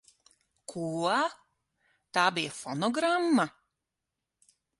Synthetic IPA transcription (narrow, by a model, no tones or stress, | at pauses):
kʰuːa | t̪aːbijɛfɔnɔɡɾamːa